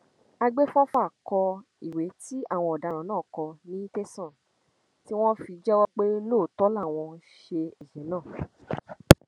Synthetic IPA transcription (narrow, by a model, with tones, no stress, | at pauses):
a˧ɡ͡be˦fɔ̃˦fa˦˨kɔ˧ | i˨we˨˦ti˦a˦˨w̃ɔ̃˧ɔ˨da˨˧ɾ̃ã˨˦nãː˦˨kɔ˧nĩ˦te˦sɔ̃˦˨ | ti˦w̃ɔ̃˦fi˧d͡ʒɛ˦wɔ˦k͡pe˦lo˦˨tɔ˨˦la˦˨w̃ɔ̃˧ʃe˧ɛ˨ʃɛ˨˦nãː˦˨